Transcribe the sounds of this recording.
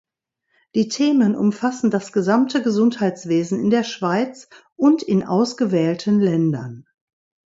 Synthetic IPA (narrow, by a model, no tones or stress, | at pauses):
d̥iːtʰeːmənʔʊ̰mfasn̩dasɡ̥əzamtəɡəzʊnthaɪt͡sv̥eːzn̩ɪndeːɐʃv̥aɪt͡s | ʔʊntɪnʔa̰ʊsɡ̥əvɛːltʰən̩lɛndɐn